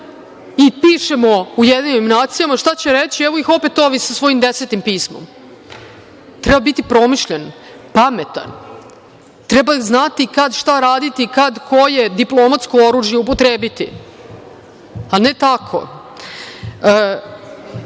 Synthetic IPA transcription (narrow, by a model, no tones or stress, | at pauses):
ipiʃemoujed̪niɲimnaːt̪sijamaʃt̪at͡ɕeɾet͡ɕiɛʋoixo̞pet̪o̞ʋisasʋo̞jimd̪eset̪impiːsmo̰m | t̪ɾɛbabit̪ipɾo̞miʃʎen | pamet̪a̰n | t̪ɾɛbaznat̪ikad̪ʃt̪aɾaːd̪it̪ikad̪kʰo̞jed̪iplˠomat̪skooɾuʒjeupot̪ɾeːbit̪ḭ | anet̪akʰo̰